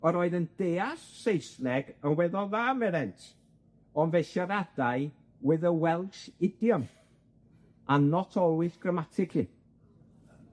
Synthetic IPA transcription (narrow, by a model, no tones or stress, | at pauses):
ɔɾɔːɨðənd̥eːasːejsnɛɡənwɛðɔðaːmɛɾɛntʰ | ɔnvejʃaɾad̥aɨ | wɛðəwɛlˠʃɪdjɔm | anɔtʰɔlˠwɨθɡ̥rəmatʰɪkʰi